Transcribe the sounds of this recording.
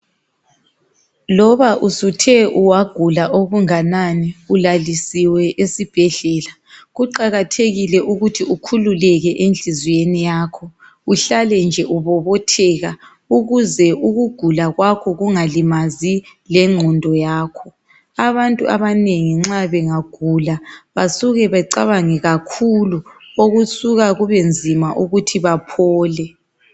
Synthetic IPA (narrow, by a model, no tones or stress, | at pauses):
lɔβaʔusutʰɛʔuwaɡ̥ʱulaʔoɣuŋananiulalisiwɛʔesib̥ʱɛɮɛːla | ɣuǃaɣatʰeɣilɛʔuɣutʰiukʰululɛɣɛʔend͡ɮʱizwenijaːkʰɔ | uɬalɛnd͡ʒʱɛʔuβɔβɔtʰɛɣa | uɣuzɛʔuɣuɡ̥ʱulaɣwakʰɔɣuŋalimazilɛŋ͡ǃʱɔndʱɔjaːkʰɔ | aβantʼuaβaneŋiŋ͡ǁaβɛŋaɡ̥ʱulaβasuɣɛβaǀaβaŋɛɣakʰuluoɣusuɣaɣuβend͡zʱimaʔuɣutʰiβapʰɔːlɛ